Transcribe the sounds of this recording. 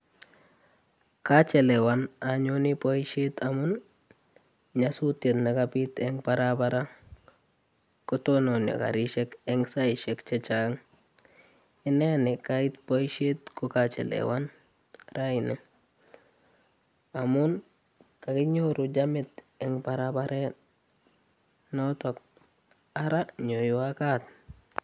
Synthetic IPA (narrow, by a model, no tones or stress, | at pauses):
kat͡ʃelewanaɲonipojʃetamun | ɲasutetnakapit̪eŋbaɾabaɾa | kotononjo̰ka̰ɾiʃekeŋsaiʃekt͡ʃet͡ʃaŋ | ɪnenɛkaitpojʃetkukat͡ʃɛ̰lḛwan | ɾainɛ | amun | kakiɲoɾud͡ʒamɪt̪ | ɛŋpaɾabaɾe | notok̚ | aɾaɲojwakat̚